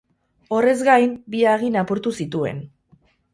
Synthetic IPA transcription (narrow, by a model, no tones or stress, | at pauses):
o̞re̞zɡajmbiaɣ̞inapoɾt̪usit̪ue̞̰n